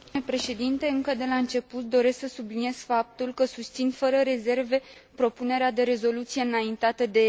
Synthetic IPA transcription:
epɾe̞ʃe̞d̪int̪e̞ɨŋkəd̪e̞laɨnt͡ʃe̞put̪̚d̪o̞ɾe̞sksəsubliniez̥fap̚t̪ulkəsust̪sinfəɾəɾe̞ze̞rve̞ | pɾo̞pune̞ɾead̪e̞ɾe̞zo̞lut̪sije̞ɨnaint̪at̪əd̪e̞

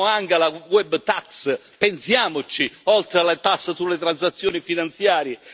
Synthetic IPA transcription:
aŋkalawɛbːt̪aks | pensjaːmʊt͡ʃiɔlt̪ɾealat̪asːasulɪt̪ɾansat̪sːjɔːnifinant̪sjaːɾjɪ

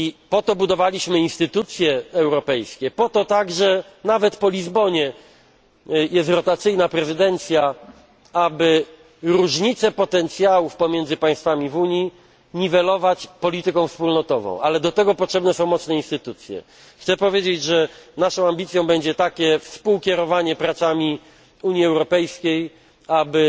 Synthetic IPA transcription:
ipɔt̪ɔbud̪ɔvalʲiɕmɘinst̪ɘt̪ut̪sʲjɛːwɾɔpɛjskʲɛpɔt̪ɔt̪aɡʐɛ | navɛt̪pɔlʲizbɔɲɛ | jɛst̪ɾɔt̪at̪sɘjnapɾɛzɘd̪ɛnt̪sʲja | abɘ | ɾuʐɲit̪sɛpɔt̪ɛnt̪sʲjawufpɔmʲjɛnd̪zɘpaj̃st̪famʲivuɲji | ɲivɛlɔvat͡ɕpɔlʲit̪ɘkɔ̃w̃fspulnɔt̪ɔvɔ̰̃w̃ʔalɛd̪ɔt̪ɛɡɔpɔtʂɛbnɛsɔ̃w̃mɔt̪snɛinst̪ɘt̪ut̪sʲjɛ̰ | xt̪sɛpɔvʲjed͡ʑed͡ʑʐɛnaʂɔ̃w̃ambʲit̪sʲjɔ̃w̃bɛɲd͡ʑɛt̪akʲɛfspuwkʲɛɾɔvaɲɛpɾat̪samʲi | uɲjiɛwɾɔpɛjskʲej | abɘ

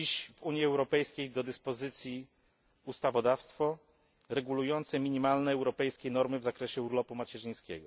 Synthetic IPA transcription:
iɕvuɲjiɛwɾɔpɛjskʲejd̪ɔd̪ɘspɔzɘt̪sʲji | ust̪avɔd̪afst̪fɔ | ɾɛɡulujɔnt̪sɛmʲiɲimalnɛːwɾɔpɛjskʲejnɔɾmɘvzakɾɛɕɛuɾlɔpumat͡ɕɛʐɘj̃skʲɛ̰ɡɔ

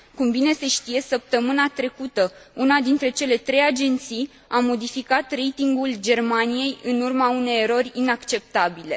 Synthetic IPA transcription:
kumbine̞se̞ʃt̪ije̞səp̚t̪əmɨnat̪ɾe̞kut̪əunad̪int̪ɾe̞t͡ʃe̞le̞t̪ɾe̞jad͡ʒe̞nt̪sij | amo̞d̪ifikat̪re̞jt̪iŋɡuld͡ʒe̞rmanije̞jɨnurmaune̞jeɾo̞rʲinakt͡ʃe̞p̚t̪abile̞

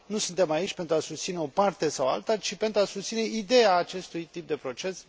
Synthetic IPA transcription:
nusunt̪e̞mait͡ʃʲpe̞nt̪ɾuasust̪sine̞o̞part̪e̞sawa̰lt̪at͡ʃipe̞nt̪ɾuasust̪sine̞id̪e̞aːt͡ʃe̞st̪ujt̪ip̚d̪e̞pɾo̞t͡ʃe̞s

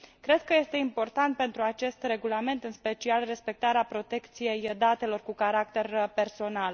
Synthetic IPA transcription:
kɾe̞d̪̥̚kəje̞st̪eimpo̞rt̪ant̪̚pe̞nt̪ɾuat͡ʃe̞st̪re̞ɡulame̞nt̪ɨnspe̞t͡ʃialre̞spe̞k̚t̪aɾeapɾo̞t̪e̞kt̪sije̞jd̪at̪e̞lo̞rkukaɾakt̪e̞rpe̞rso̞nal

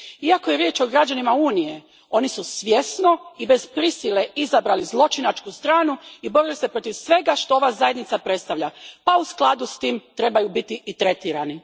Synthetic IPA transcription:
iakoje̞ɾje̞ːt͡ʃo̞ɡɾad͡ʒanimauːnije̞ | o̞nisusʋje̞sno̞ibe̞zpɾisileizabɾalizlˠo̞t͡ʃinat͡ʃkust̪ɾaːnuibo̞ɾilise̞pɾo̞t̪iʋsʋe̞ɡaʃt̪o̞o̞ʋazaje̞d̪nit̪sapɾe̞t̪st̪aʋʎapausklˠad̪ust̪iːmt̪ɾe̞bajubit̪iʔit̪ɾe̞t̪iːɾani

